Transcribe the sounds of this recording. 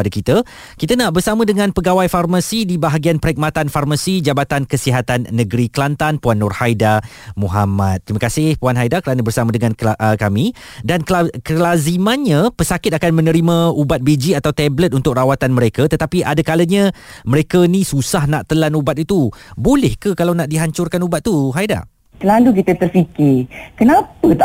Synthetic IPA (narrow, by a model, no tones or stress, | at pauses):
adakit̪ə | kit̪ənaʔbərsamə̃dəŋãnpəɡawajfarmasidibaɦaɡianpəɾik̚mat̪anfarmasid͡ʒabat̪ankəsiɦat̪anːə̃ɡɾiklant̪anpuanːʊrhajda | muɦamat̪̚ːɾimãkasɪhpuanɦajdakəɾanəbərsamə̃dəŋãnəkamĩ | dankakəlazimanɲãpəsakɪt̪̚akanmə̃nə̃ɾimə̃ubat̪̚bid͡ʒiat̪awt̪ɛblət̪̚unt̪ʊk̚rawat̪anmə̃ɾekat̪ət̪apiʔadakaləɲa | məɾekanĩsusahnaʔt̪əlanubat̪it̪ubolɛhkəkalawnaʔdiɦaɲt͡ʃʊrkanubat̪̚ːuɦajda̰ | t̪əlaluk̬it̪ət̪ərfikɪkənapət̪a